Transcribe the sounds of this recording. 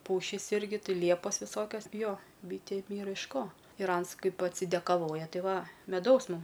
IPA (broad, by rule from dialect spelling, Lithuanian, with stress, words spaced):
ˈpʊʃʲiːs ˈɪrʲɡʲɪ ˈtʲɪ ˈlʲiɛpoːs ʋʲɪˈsoːkʲɛs ˈjoː ˈbʲiːtʲeːm ˈiːrɐ ɪʃ ˈkoː ɪr ˈɐns ˈkɐɪp ɐtʲsʲɪdʲɛkɐˈʋoːjɛ ˈtʲɪ ˈʋɐ mʲɛˈdɐʊs ˈmʊm